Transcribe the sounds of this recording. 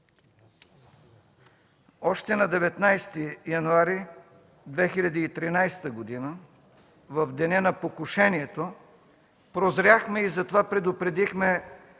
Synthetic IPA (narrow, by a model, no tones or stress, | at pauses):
ɔʃt̪ɛnɐd̪ɛvɛt̪najst̪ijɐnuaɾi | d̪vɛxilʲɐd̪iːt̪ɾinajst̪əɡod̪inə | vɐvd̪ɛnɛnɐpokʊʃɛniɛt̪o | pɾozɾʲaxmɛizɐt̪ovapɾɛd̪ʊpɾɛd̪ixmɛ